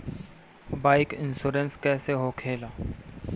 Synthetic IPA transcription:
baːɪkɪnsuːɾənskɛːseɦokʰeːlaː

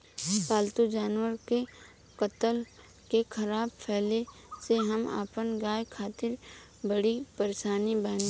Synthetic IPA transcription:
paːlt̪ud͡ʒaːnwəɾke | kət̪əl | kekʰɐɾaːbpʰɛːle | seɦɐma̰ːpənɡaːjkʰaːt̪ɪɾ | bɐɽipəɾeːʃaːnibaːn

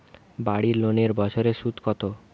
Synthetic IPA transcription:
baɽiloneɾbɔt͡ɕʰoɾeʃut̪kɔt̪o

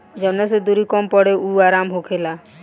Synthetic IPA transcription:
d͡ʒɔnas̬ed̪uɾikɔmpɔɽeuaɾamɦokʰela

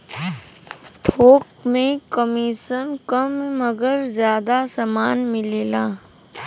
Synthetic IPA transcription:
t̪ʰoːk̚mẽkəmiːʃənkəmməɡəɾzjaːd̪asamaːnmɪleːlaː

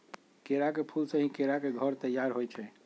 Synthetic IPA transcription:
keɾakepʰulsə̃ɦĩkeɾakeɡʱəɾt̪əjːaɾɦojt͡ʃʰɛ

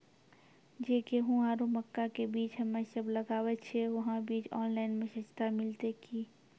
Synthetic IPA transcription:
d͡ʒeːkeɦũaːɾuməkːakebiːt͡ʃɦəmẽsəbləɡaːʋɛtt͡ʃʰeʋɐɦãbiːt͡ʃɔːnlaːɪnmẽʃət͡ʃt̪amɪlt̪eki

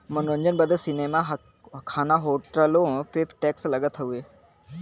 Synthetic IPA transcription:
mənɾəɲd͡ʒənbəd̪əsinemaɦ | kʰaːnaɦoːʈɾəlõpeːpʈeːkslɐɡət̪ʰɐueː

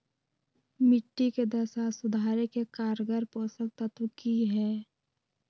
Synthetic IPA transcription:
mɪʈːiked̪əsaːsʊd̪ʱaːɾekekaːɾɡəɾpoːsək̚t̪at̪ukiɦɛː

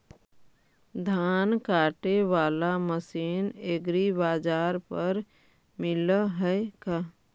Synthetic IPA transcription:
d̪ʱaːnkaːʈeʋaːlaməsiːneɡɾibaːd͡ʒaːɾpəɾ | mɪləɦɛkaː

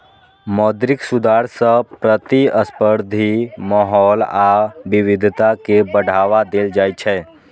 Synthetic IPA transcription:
mɔːd̪ɾɪksʊd̪ʱaːɾsə̃pɾət̪iəspəɾd̪ʱimɔɦɔːlaʋɪʋɪd̪ʱt̪akebəɽ̤ʱaːʋad̪eːld͡ʒaːjt͡ʃʰɛ

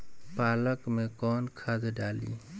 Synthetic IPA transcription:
paːləkmẽkɔːnkʰad̪ɖaːlḭː

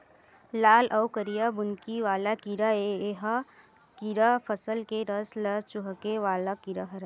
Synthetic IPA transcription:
laːlʔɐwkəɾijabʊnkiʋaːlakiɾaeeɦa | kiɾapʰəsəlkeɾəslɐt͡ʃʊɦəkeʋaːlakiɾaɦɐɾa

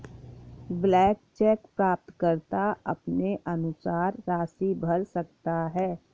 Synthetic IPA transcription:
blɛːk̚t͡ʃɛːkpɾaːp̚t̪kəɾt̪aɐpneʔɐnʊsaːɾːaːsibʱəɾsəkt̪aɦɛː

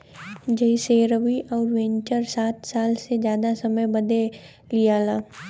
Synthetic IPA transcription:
d͡ʒɐiseːɾəʋiʔɔːɾʋẽɲt͡ʃəɾsaːt̪saːlsezjaːd̪asɐməjbɐd̪e | lijaːlaː

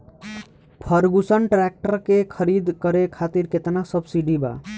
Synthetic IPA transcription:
pʰəɾɡusənʈɾɛk̚ʈəɾkekʰəɾid̪kəɾekʰat̪iɾket̪nasəbsiɖiba̰

